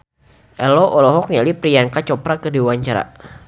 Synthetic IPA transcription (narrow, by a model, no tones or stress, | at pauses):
ʔɛlɔʔɔlɔɦɔk̚nialipɾijankat͡ʃɔpɾakədiwaɲt͡ʃaɾa̰